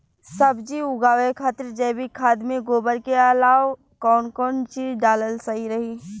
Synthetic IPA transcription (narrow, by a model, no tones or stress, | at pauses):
səbd͡ʒiʊɡaːʋekʰaːt̪əɾd͡ʒɛbʱikʰaːd̪mẽɡoːbəɾkeəlaːw | kɔːnkɔːnt͡ʃiːzɖaːləlsəɦiɾəɦiː